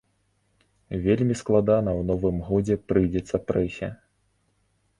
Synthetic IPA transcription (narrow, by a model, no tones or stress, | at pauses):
vʲelʲmʲisklˠad̪anɐwnɔvɨmɣɔd͡zʲɛpɾɨjd͡zʲɛt̪sːɐpɾɛsʲɛ̰